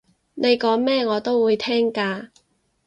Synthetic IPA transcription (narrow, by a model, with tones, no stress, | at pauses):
nʔe˨˧jkɔː˨˥ŋmɛː˥ŋɔː˨˧t̪o˥wwuː˨˧jt̪ʰɛː˥ŋkaː˧